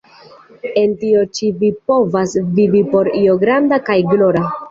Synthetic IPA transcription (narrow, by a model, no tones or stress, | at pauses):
e̞ntio̞t͡ʃivipo̞vasvivipo̞ɾioɡɾandakajɡlo̞ɾa